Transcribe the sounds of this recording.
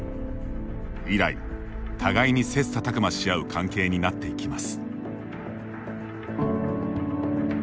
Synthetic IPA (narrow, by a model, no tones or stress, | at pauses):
iɾa̰ḭ | t̪ʰaɡaiɲ̟ise̞sɨ̥t̪at̪akɯ̟maɕijaɯ̟kʰãŋke̞ːɲ̟inat̪ːe̞ikʲimasɨ̥